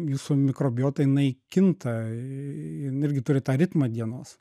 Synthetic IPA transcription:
juːsumʲɪkɾoːbʲɪjoːt̪ɐjɪnɐɪkʲɪnt̪ɐ | ɪnɪɾʲɡʲɪt̪ʊɾʲɪt̪ɑːɾʲɪt̪mɐd̪ʲiɛnoːs

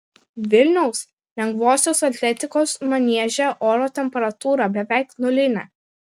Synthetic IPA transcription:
ʋʲɪlʲnʲɛʊs | lʲɛŋɡʋoːsʲoːsɐt̪ʲlʲɛt̪ʲɪkoːsmɐnʲiɛʒʲɛʔoːɾoːt̪ʲɛmʲpʲɛɾɐt̪uːɾɑbʲɛʋʲæˑɪknʊlʲɪnʲɛ

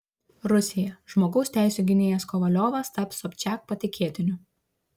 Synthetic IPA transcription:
ɾʊsʲɪjɛʒ̥moːɡɐʊsʲt̪ʲæˑɪsʲuːɡʲɪnʲeːjɛskɔʋɐlʲoːʋɐst̪ɐpsɔpʲt͡ʃʲæːk̚pɐt̪ʲɪkʲiɛt̪ʲɪnʲʊ

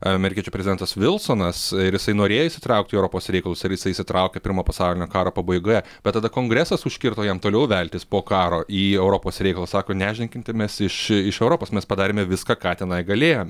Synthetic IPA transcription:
ɐmʲɛɾʲɪkʲiɛt͡ʃʲupɾʲɛzʲɪd̪ʲɛnt̪ɐsʋʲɪlˠsoːnɐsɪɾjɪsɐɪnoːɾʲeːjoːɪsʲɪ̥t̪ɾɐʊk̚t̪ʲiːɛʊɾoːpoːsɾʲɛɪkɐlˠʊsɪɾjɪsɐɪsʲɪt̪ɾʔɐʊkʲɛpʲɪɾmoːpɐsɑʊlʲɪnʲoːkɑːɾoːpɐbɐɪɡoːjɛbb̥ʲɛt̪ːɐd̪ɐkoːŋɡɾʲɛsɐsʊʃʲkʲɪɾt̪oːjɛmt̪oːlʲɛʊʋʲɛlʲt̪ʲɪspoːkɑːɾoːʔiːɛʊɾopoːsɾʲɛɪkɐlˠɐsɑːkoːnʲæːʒʲnʲɛŋʲkʲɪnʲt̪ʲɪmʲɛsɪʃɪʃɛʊɾoːpoːsmʲɛspɐd̪ɑːɾʲeːmʲɛʋʲɪskɑːkɑːt̪ʲɛnɐɪɡɐlʲeːjoːmʲɛ

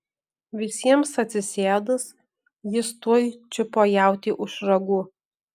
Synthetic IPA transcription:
ʋʲɪsʲiɛmsɐt̪ʲsʲɪsʲeːd̪ɐs | jɪst̪uɔjt͡ʃʲɪpoːjæˑʊt̪ʲiːʔʊʃɾɐɡuː

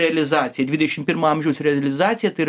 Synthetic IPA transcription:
ɛɐlʲɪzɑːt̪sʲɪjɐd̪ʲʋʲɪdʲʃʲɪmpʲɪɾmɑɐmʲʒʲɛwsʲɾʲɛɐlʲɪzɑːt̪sʲɪjɐt̪ɐɪ

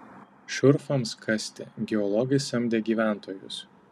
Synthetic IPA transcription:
ʃʲʊɾfɐmskʰɐsʲt̪ʲeːˑɡʲɛɔlˠɔɡɐɪsɐmʲd̪ʲeːɡʲiːʋʲæˑnˑt̪ʰoːjʊs

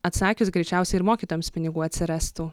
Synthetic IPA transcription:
ɐt̪sɑːkʲʊsɡɾʲɛɪt͡ʃʲæˑʊsʲɛɪɪɾmoːkʲiːt̪oːjɛmspʲɪnʲɪɡuːɐt̪ʲsʲɪɾʲæst̪uː

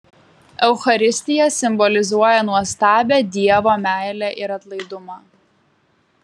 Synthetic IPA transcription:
ɛʊxɐɾʲɪsʲt̪ʲɪjɛsʲɪmbɔlʲɪzuɔjɛnuɔst̪ɑːbʲeːd̪ʲiɛʋoːmʲæˑɪlʲɛʔɪɾɐt̪lˠɐɪd̪ʊmɑː

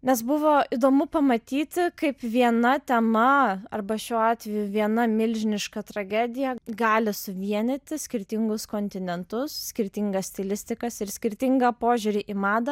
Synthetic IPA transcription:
nʲɛs̬bʊʋoːid̪oːmʊpɐmɐt̪ʲiːt̪ʲɪkɐɪpʋʲiɛnɐt̪ʲɛmɐɐrbɐʃʲuːɑːt̪ʲʋʲɛjuʋʲiɛnɐmʲɪlʲʒʲɪnʲɪʃkɐt̪ɾɐɡʲæːd̪ʲɪjɛɡɑːlʲɪsʊʋʲiɛnʲɪt̪ʲɪsʲkʲɪɾʲt̪ʲɪŋɡʊskoːnʲt̪ʲɪnʲɛnt̪ʊssʲkʲɪɾʲt̪ʲiŋɡɐsʲt̪ʲɪlʲɪsʲt̪ʲɪkɐsɪɾsʲkʲɪɾʲt̪ʲɪŋɡɐpoːʒʲʊɾʲɪʔɪmɑːd̪ɐ

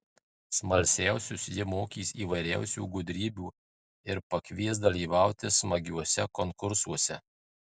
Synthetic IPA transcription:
smɐlʲsʲæˑʊsʲʊsjɪmoːkʲiːsiːʋɐɪɾʲæˑʊsʲṵːɡʊd̪ʲɾʲiːbʲuː | ɪɾpɐkʲʋʲiɛsd̪ɐlʲiːʋɑˑʊt̪ʲɪsmɐɡʲuɔsʲɛkɔŋkʊɾsuɔsʲɛ

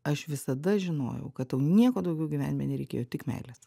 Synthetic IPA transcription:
ɐʃʋʲɪsɐd̪ɐʒʲɪno̰ːjɛ̰ʊkɐt̪jɛʊnʲiɛkoːd̪ɐʊɡʲɛʊɡʲiʋʲæːnʲɪmʲḛːnʲɛɾʲɛɪkʲḛːjoːt̪ʲɪkmʲæ̰ɪlʲɛs

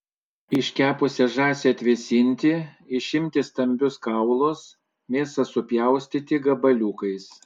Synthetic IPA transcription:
ɪʃʲkʲæːpʊsʲɛʒɑːsʲɛɐt̪ʲʋʲɪsʲɪnʲt̪ʲɪɪʃʲɪmʲt̪ʲɪst̪ɐmʲbʲʊskɑˑʊlˠoːs | mʲeːsɐsʊpʲjæˑʊsʲt̪ʲit̪ʲɪɡɐbɐlʲukɐɪs

